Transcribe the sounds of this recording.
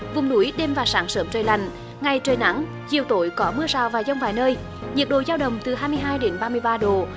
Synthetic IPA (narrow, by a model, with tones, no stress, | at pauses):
vʊ˨˩ŋ͡mnu˨˧˦jɗe˧mvaː˨˩saː˨˦ŋsəː˨˦mt͡ɕəː˨˩jla̰˧˩jŋ̟ | ŋa˨˩jt͡ɕəː˨˩jna˨˦ŋ | zi˨˩əwt̪o˧˨˦jkɔ˨˦mɨ˧əsaː˨˩wvaː˨˩za˧wŋ͡mvaː˨˩jnəː˧j | ɲi˨˩ək̚ɗo̰˧˨jzaː˧wɗə˨˩wŋ͡mt̪ɨ˨˩ɦaː˧jmɨ˧əjɦaː˧jɗe˨˦nɓaː˧mɨ˧əjɓaː˧ɗo˨˩